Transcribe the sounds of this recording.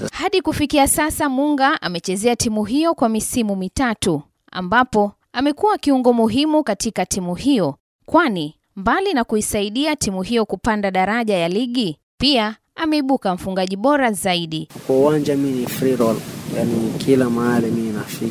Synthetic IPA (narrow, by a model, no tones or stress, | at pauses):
haɗikufikiasasamuŋɡaʔa̰mɛt͡ʃɛzɛatimuɦijɔkwamisimumitatu | a̰mbapɔ | amɛkuwakiuŋɡɔmuɦimukatikatimuhijɔ | kwani | mbalinakuisaiɗiatimuɦijɔkupandaɗaɾaʄajaliɠi | pia | amɛiɓukam̩fuŋɡaʄiɓɔɾazaiɗikwauwand͡ʒaminifɾiɾɔljanikʰilamaalimina̰fi